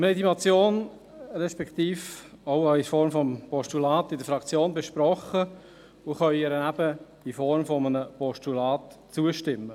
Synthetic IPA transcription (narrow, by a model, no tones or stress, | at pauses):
mɛd̪imɑt͡sjoːn | ɾɛʃpɛkt̪iːf | oʊɑɪfɔɾmfɔmpɔʃtulɑːt̪ɪdəfɾɑkt͡sjoːnbɛʃpɾɔχə | ʊχœʏɛɾənæb̥ədifɔɾmfɔmənəpɔʃtulɑːtt͡suəʃtɪmːə